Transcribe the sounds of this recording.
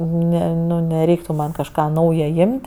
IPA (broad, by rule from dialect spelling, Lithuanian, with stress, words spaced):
ˈnʲɛ ˈnʊ nʲɛˈrʲɛɪktʊ mɐn kɐʃˈkɑː ˈnɐʊjɛ ˈjɪmʲtʲ